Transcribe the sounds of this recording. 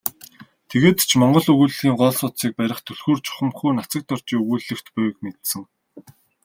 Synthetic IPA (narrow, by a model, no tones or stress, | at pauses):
t̪ʰeɣeːt̪ʰt͡ɕʰmɔɴɢɞ̆ɮɵɣuːɮɣiːŋɢɔɮsʊt̪siːk̚pæɾʲɪ̆χt̪ʰɵɮxuːrt͡ɕʰɔ̥χə̆mxuːnat͡sə̆k̚t̪ɔr̥t͡ɕiːɵɣuːɮɘ̆xt̪pæwkmet̪sɘ̆ŋ